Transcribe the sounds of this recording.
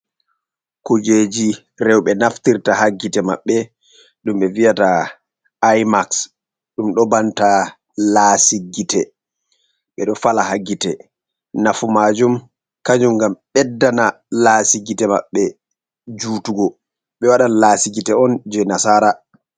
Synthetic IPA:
kud͡ʒed͡ʒi | ɾɛwɓɛnaftiɾtahaɡːitɛma̰ɓːɛ | ɗumɓɛvijataː | jmaks | ɗumɗɔbanta | lasiɡitɛ | ɓɛɗɔfalahaɡːitɛ | nafumad͡ʒum | kaɲd͡ʒumɡamɓɛdːana | lasiɡitɛma̰ɓːɛ | d͡ʒuːtuɡɔ | ɓɛwaɗalasiɡitɛɔnd͡ʒɛnasaɾa

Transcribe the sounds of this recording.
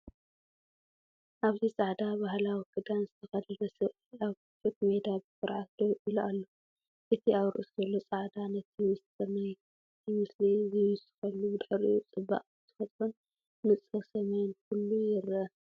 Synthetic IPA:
ʔaβzit͡sʼaʕd̪abahlawiɡʰɨd̪anzɨt̪ʰɐxɐd̪unɐsɨβiaβkɨt͡ʃʼut̪me̞d̪abɨsɨɾʕat̪oʔiluʔalːo | ʔɨt̪ʰiaβɾɨ̰ʔuszɐlːo̞t͡sʼaʕd̪anɐt̪ʰimɨssɐmɐj | ɨt̪ʰimɨslizɨjusɨ̥kɐlːubɨd̪ɨħɨɾḭjut͡sʼɨbːa̰ʔʼt̪ʰɨ̥fɐt̪ʼɾon | mɨt͡sʼɨsɐmejnkulːujɪɾɐ

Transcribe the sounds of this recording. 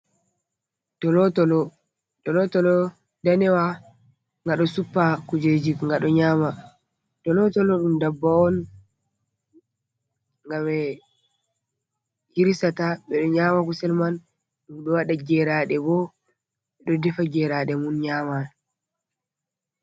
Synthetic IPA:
dɔlɔtɔlɔ | dɔlɔtɔlɔ | danɛwa | ŋɡaɗɔsupːakud͡ʒed͡ʒikŋɡaɗɔɲaːma | d̥ɔlɔtɔlɔɗumdabːaɔn | ŋɡamɛ | jiɾisataɓɛɗɔɲaːmakusɛlman | ɗumɗɔwaɗaɡɛɾaɗɛbɔ | ɓɛɗɔdɛfaɡɛɾaɗɛmunɲaːma

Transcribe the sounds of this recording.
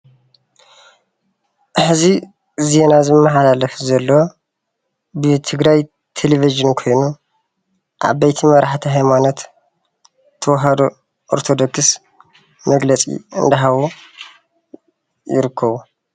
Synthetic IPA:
ʔħɨzi | ze̞nazɨmːɐħalalɐfzɐlːowo | bɨt̪ʰɨɡɾaj | t̪ʰeleviʒɨnkʰo̞jnu | ʔa̰βbɐjt̪ʰimɐɾʔaħt̪ʰiɦajmanot̪ | ɐwɔɦɐd̪o | ʔoɾt̪ʰod̪oks | mɐɡlɐt͡sʼḭɨ̰nd̪ɐɦaβo | jɪ̰ɾɨkʰːɐβu

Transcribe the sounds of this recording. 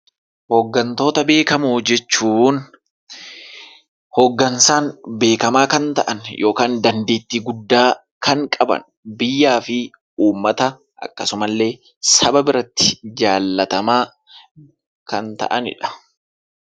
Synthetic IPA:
hɔɡːɐnt̪o̞ːt̪ɐbe̞ːkɐmud͡ʒɛt͡ʃːuːn | hoɡːɐnsaːnbe̞ːkɐmaːkɐnt̪ɐʔɐnjʔo̞ːkaːnd̪ɐnd̪e̞ːt̪ːiːɡʊd̪ːaː | kɐŋkʼɐbɐ̰n | bɪjːaːfɪ | uːmːɐt̪ɐ | ʔɐ̰kːɐsʊmɐlːe̞ː | sɐbɐbɪɾɐt̪ːɪ̥d͡ʒaːlːɐt̪ɐmaː | kɐnt̪ɐ̰ʔɐnɪ̰ᶑɐ̥

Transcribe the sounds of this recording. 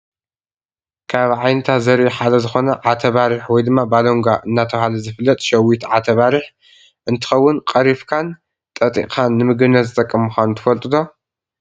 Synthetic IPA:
kʰaβʕajnɐt̪ʰat̪zɐɾiħad̪ɐzɨxo̞nɐʕat̪ʰɐβaɾiħwɔjd̪ɨmːabaloŋɡaʔɨnːat̪ʰɐhalɐzɨfɨlːɐt̪ʼʃɐwit̪ʕat̪ʰɐβaɾiħ | ʔɨnt̪ʰɨ̥xɐwːʊnkʼɐɾifkʰan | t̪ʼɐt̪ʼḭkʼʰanːɨmɨɡɨnːɐt̪zɨt̪ʼɐkʼːɐmuxanut̪ʰɨfɐlt̪ʼɨd̪o̞

